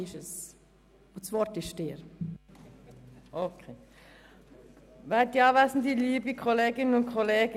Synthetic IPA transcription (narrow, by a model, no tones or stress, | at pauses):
ɪʃəs | osʋɔɾtɪʃteːɾ | ʔokʰeː | ʋɛtːiɑːʋæsn̩diliːbikʰoleːɡɪnənʊnkʰχɔleːɡə